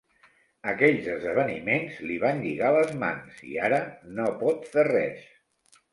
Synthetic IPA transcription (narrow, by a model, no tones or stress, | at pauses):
əkɛʎzəzðəβ̞ənimenzliβanʎiɣaləzma̰nsḭaɾənopɔt̪ferɛs